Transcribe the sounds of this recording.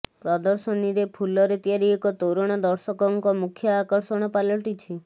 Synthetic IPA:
pɾɔd̪ɔɾsɔniɾepʰulɔɾet̪jaɾiekɔt̪owɾɔɽ̃ad̪ɔɾsɔkɔŋkɔmukʰjɔːkɔɾsɔɽ̃ɔpalɔʈit͡ʃʰi

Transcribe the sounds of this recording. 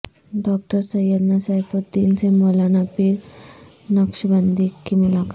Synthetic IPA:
ɖɔk̚ʈəɾsəjəɾnasajfot̪iːnt͡sẽmolanapiːɾ | nəkʂbənd̪ikːimilaka

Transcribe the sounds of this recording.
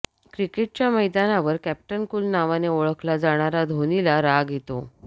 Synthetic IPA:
kɾikeʈ̚t͡ɕjaməjd̪anaʋəɾkæp̚ʈənkuːlnaʋaneoɭəkʰlad͡zaɽ̃aɾad̪ʱonilaɾaɡjet̪o

